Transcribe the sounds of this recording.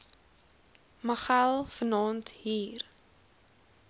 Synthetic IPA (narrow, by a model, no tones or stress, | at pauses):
məχælˠfənɑːnthiːr